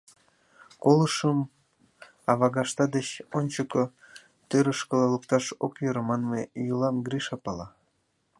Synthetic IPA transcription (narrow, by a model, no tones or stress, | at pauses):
koləʃəm | ɑβɑɣɑʃt̪ɑd̪et͡ɕonʲt͡ɕəko | t̪øɾəʃkəlɑləkt̪ɑʃokjøɾəmɑnmejulɑmɡriʃɑpɑlɑ